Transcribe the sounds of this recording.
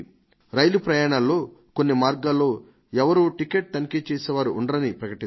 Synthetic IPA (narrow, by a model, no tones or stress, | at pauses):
ɾɐjlupɾɐjaːɳaːlːo̞ːkonːimaːɾɡaːlːo̞ː | ɛʋɐɾuːʈike̞ʈ̚t̪ɐnikeːt͡ʃeːseːʋaːɾuʔːɳɖɐɾɐnipɾɐkɐʈi